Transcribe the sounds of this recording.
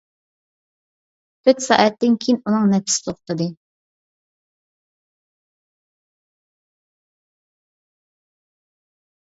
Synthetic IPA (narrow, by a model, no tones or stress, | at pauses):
kʰøt̪sɑ̰ːʔɛt̪ːɪnkʲʰijnunɨŋnɛpʰɪ̥sɪ̥t̪ʰoχt̪ɨd̪ɨ